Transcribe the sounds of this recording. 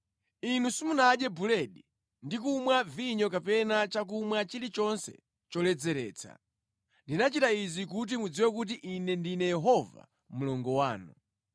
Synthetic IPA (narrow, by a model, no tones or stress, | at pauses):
inusumunaɗɛbulɛɗi | ndik̬umwaviɲɔkapɛnat͡ʃak̬umwat͡ʃilit͡ʃɔnsɛ̥̰ | t͡ʃɔlɛd͡zɛɾɛ̰ːt͡sʰa̰ | ndinat͡ʃitaizik̬ut̬imud͡ziwɛk̬ut̬iʔinɛndinɛjɛɦɔva̰ | mulɔŋɡɔwaːnṵ